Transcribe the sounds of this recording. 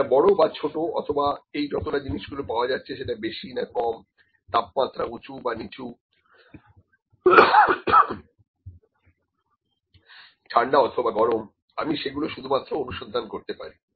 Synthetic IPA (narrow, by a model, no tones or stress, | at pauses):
abɔɽobat͡ɕʰoʈoɔ̰t̪ʰobaejd͡ʑɔt̪oʈad͡ʑiniʃɡulopaoad͡ʑatːɕʰeʃeʈabeʃinakɔm | t̪ap̚mat̪ːɾaut͡ɕubanit͡ɕu | ʈʰaɳɖaɔt̪ʰobaɡɔɾom | amiʃeɡuloʃud̪ʱumat̪ːɾoonuʃod̪ʱːankoɾt̪epa̰ɾi